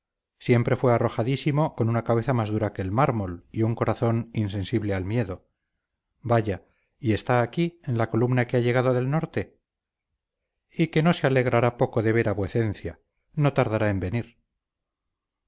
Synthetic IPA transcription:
sje̞mpɾe̞fwe̞aro̞xaðisimo̞ko̞nunakaβe̞θamazðuɾake̞ːlmaɾmo̞liuŋko̞ɾaθo̞ninsẽ̞nsiβle̞almje̞ðo̞ | baʝa | ie̞st̪aːkienlako̞lumnakeaʝe̞ɣ̞aðo̞ðe̞lno̞ɾt̪e̞ | ike̞no̞seale̞ɣ̞ɾaɾapo̞ko̞ðe̞β̞e̞ɾaβweθe̞nθja | no̞t̪aɾðaɾae̞mbe̞niɾ

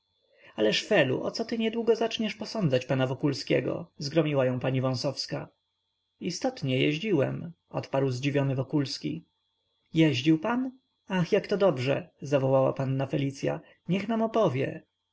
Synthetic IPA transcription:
alɛʂfɛlṵʔɔt̪sɔt̪ɘɲɛd̪wuɡɔzat͡ʂɲɛʂpɔsɔnd̪zat͡ɕpanavɔkulskʲɛɡɔ̰zɡɾɔmʲiwajɔ̃w̃paɲivɔ̃sɔfska | ist̪ɔt̪ɲɛjɛʑd͡ʑiwɛmʔɔt̪paɾwzd͡ʑivʲjɔnɘvɔkulskʲḭ | jɛʑd͡ʑiwpan | axjakt̪ɔd̪ɔbʐɛ̰zavɔwawa̰panːafɛlʲit̪sja̰ | ɲɛxnamɔpɔvʲjɛ̰

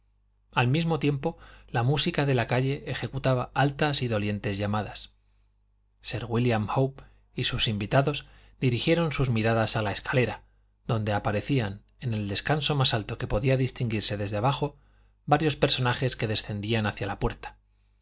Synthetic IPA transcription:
almizmo̞t̪je̞mpo̞lamusikaðe̞lakaʎe̞ʔːxe̞kut̪aβaalt̪asiðo̞lje̞nt̪e̞zʝamaðas | se̞ɾɣwiljamhowp | isusimbit̪aðo̞z | d̪iɾixje̞ɾo̞nsuzmiɾaðasalae̞skḁle̞ɾa | d̪o̞nd̪e̞apaɾe̞θian | e̞ne̞ld̪e̞skanso̞masalt̪o̞ke̞po̞ðiaðist̪iŋɡiɾse̞ðe̞zðeaβaxo̞ | baɾjo̞spe̞ɾso̞naxe̞ske̞ðe̞sθe̞nd̪ianaθjalapwe̞ɾt̪ḁ

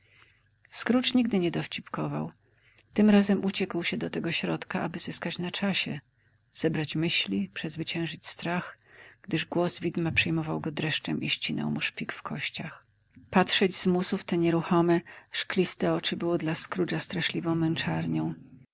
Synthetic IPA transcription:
skɾut͡ʂɲiɡd̪ɘɲɛd̪ɔft͡ɕipkɔva̰w | t̪ɘmɾazɛmʔut͡ɕɛkwɕɛd̪ɔt̪ɛɡɔɕɾɔt̪kaʔabɘzɘskat͡ɕnat͡ʂaɕɛ | z̥ɛbɾat͡ɕmɘɕlʲipʂɛzvɘt͡ɕɛ̃w̃ʐɘt͡ɕʲst̪ɾaxɡ̥d̪ɘʐɡwɔzvʲid̪mapʂɛjmɔvawɡɔd̪ɾɛʂt͡ʂɛmʔiɕt͡ɕinɔ̰wmuʂpʲikfkʰɔɕt͡ɕax | pat̪ʂɛd͡ʑzmusuft̪ɛɲɛɾuxɔmɛʂklʲist̪ɛɔt͡ʂɘbɘwɔd̪laskɾut͡ʂast̪ɾaʂlʲivɔ̃w̃mɛnt͡ʂaɾɲɔ̃w̃

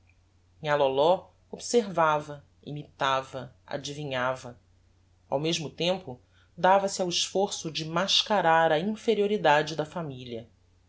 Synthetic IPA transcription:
ɲalolɔ | obseɾvavɐ | ḭmit̪avɐ | a̰d͡ʒivĩɲavɐ | a̰wmeʒmʊt̪ẽmpʊ | d̪avɐsiawiʃfoɾsʊd͡ʒɪmaʃkaɾaɾɐĩfeɾioɾid̪ad͡ʒɪd̪ɐfamiliɐ

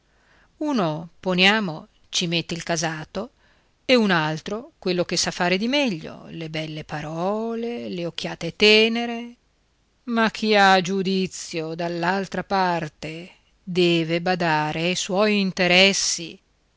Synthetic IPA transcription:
uːnoponjaːmo | t͡ʃimet̪ːeilkazaːt̪o | eunalt̪ɾokwelːok̟esafːaːɾed̪imɛʎːo̰lebɛlːepaɾɔːleleok̟ːjaːt̪et̪ɛːneɾe | makʰːiad͡ʒud̪it̪sːjod̪alːalt̪ɾapart̪e | d̪ɛːvebad̪aːɾeajswɔjint̪eɾɛsːḭ

